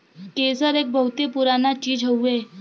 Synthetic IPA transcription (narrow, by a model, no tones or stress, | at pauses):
kesəɾek̚bəɦut̪epuɾanat͡ɕiːd͡zɦəwe